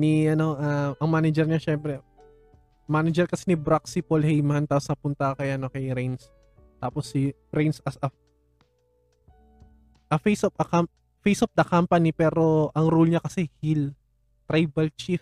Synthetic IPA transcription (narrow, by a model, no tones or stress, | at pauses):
niʔɐno̞ʔɐʔɐŋmanɛd͡ʒɛɾɲɐʃɛmpɾɛ | maːnɐd͡ʒɛɾkɐsɛnibɾaksipolhɛjmɐnt̪asnɐpʊnt̪ɐkɐjaʔɐnokɐjɾɛjns | t̪aːposːi | ɾɛjnsɐsɐ | ʔɐfejsopɐkamp | fejsʔop̚d̪ɐkampɐnipɛːɾo̞ʔɐŋɾolɲɐkɐsɛhil | t̪ɾajbɐlt͡ʃif